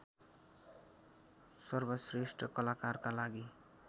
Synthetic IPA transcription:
sʌrbʌsresʈrʌkʌlakarkalaɡi

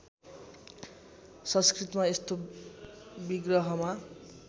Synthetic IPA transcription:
sʌ̃nskrit̪maest̪o | biɡrʌɦʌma

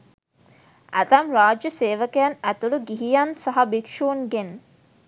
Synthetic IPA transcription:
æ̰t̪ɐmɾaːd͡ʒɐseːʋəkejɐnæt̪uluɡiɦijɐnsɐɦɐbikʂuːnɡen

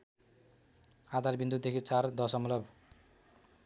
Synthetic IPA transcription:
ad̪ʱarbind̪ut̪̚d̪ekʰit͡sard̪ʌsʌmlʌb

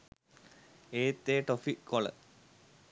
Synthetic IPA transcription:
eːt̪ːeːʈofikolə̰

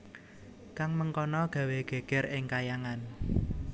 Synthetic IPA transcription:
kaŋməŋkɔnɔɡ̥ä̤weɡ̥e̤ɡ̥ɛ̤ɾɪŋkajaŋan

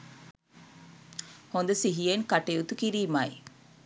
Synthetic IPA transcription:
hond̪ɐsiɦijeŋkɐʈeut̪ukiɾiːmaːj

